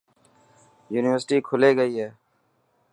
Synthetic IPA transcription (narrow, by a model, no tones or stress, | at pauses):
juːnɪʋəɾsʈiːkʰʊleːɡəiːɦɛː